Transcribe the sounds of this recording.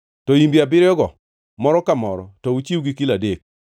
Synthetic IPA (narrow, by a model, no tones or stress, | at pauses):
tɔimbabɪɾjɔɡɔ | mɔɾɔkamɔɾɔtɔut͡ʃiwɡikiladek̚